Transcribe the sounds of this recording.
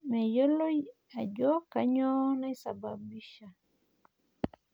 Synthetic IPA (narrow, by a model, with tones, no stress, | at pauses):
mɛ˨jo˦lo˦ | a˨d͡ʒɔ˦ka˦ɲɔ˦na˦i˦sa̰˨ba˨bi˦ʃa˨